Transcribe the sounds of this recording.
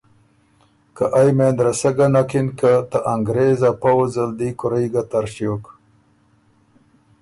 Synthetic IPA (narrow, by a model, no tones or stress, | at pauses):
kaʔajmend̪ɾasaɡanakinkat̪aʔaŋɡɾezapawzəld̪ikʊɾajɡat̪aɾʃjok